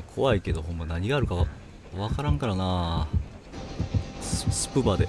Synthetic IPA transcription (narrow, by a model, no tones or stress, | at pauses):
kʰo̞βaike̞d̪o̞ɦõ̞mːanaɲ̟iɡaːɾɯ̟kaβa | βakaɾãŋkaɾanaː | ssɨ̥pɯ̟bad̪e